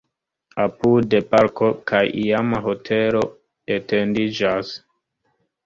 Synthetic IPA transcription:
apudepaɾko̞kajiamaɦo̞tʰelo̞ | etendid͡ʒas

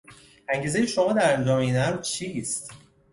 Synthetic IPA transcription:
ʔæŋɟiːze̞jeʃomɒːd̪æɾænd͡ʒɒːmeinæɾt͡ʃʰiːst̪

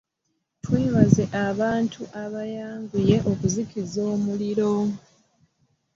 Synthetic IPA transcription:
tweːβaze̞ʔaβaːntʰuʔaβajaːŋɡuje̞ʔo̞kuzikizo̞ːmuliɾo̞

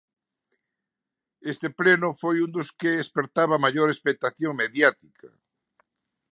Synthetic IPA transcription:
est̪eplenʊfojund̪ʊskeespeɾt̪aβɐmaʎoɾespek̚t̪aθjoŋmeðjat̪ikʰɐ̰

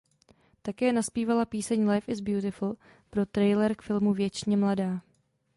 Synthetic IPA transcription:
t̪akɛːnaspiːvalapiːsɛɲlajfɪzbjut̪ɪfl̩ | pɾo̞t̪ɾɛjlɛɾkfɪlmuvjɛt͡ʃɲɛmladaː

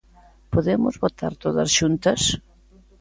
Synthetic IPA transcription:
poðemʊzβot̪ʰaɾt̪oðɐ̰sʃunt̪ɐs

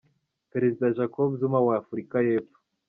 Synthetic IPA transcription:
peɾe̞zidaʒakobuzumawaːfuɾikaje̞ːfo̥

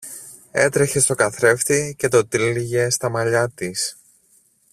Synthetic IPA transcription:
e̞t̪ɾe̞çe̞st̪o̞kɐθɾe̞ft̪ice̞t̪o̞t̪iliʝe̞st̪ɐmɐʎɐt̪is

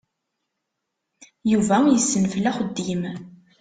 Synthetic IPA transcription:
juvæjəsːənfəlːæχəd̪ːim

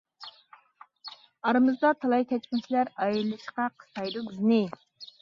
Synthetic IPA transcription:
ɑɾɨmɨzd̪ɑt̪ʰɑlˠɑjkʲʰɛt͡ʃpʲint͡ʃʰilæɾɑjɾɨlˠɨʃqɑqʰə̥st̪ɑjd̪uɡʲyznɪ

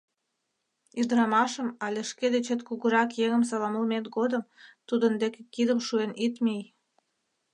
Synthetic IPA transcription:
yd̪ɾɑmɑʃə̆mɑlʲeʃked̪et͡ɕət̪kuɣuɾɑkjeŋə̆ms̬ɑlɑməlmet̪ɡod̪əmt̪ud̪ənd̪ekekid̪əmʃuenʔit̪mij

